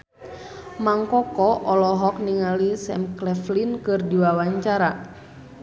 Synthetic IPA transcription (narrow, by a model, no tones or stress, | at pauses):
maŋkɔkɔʔɔlɔɦɔk̚niŋalisɛ̰mklɛflinkɨrdiwawaɲt͡ʃaɾa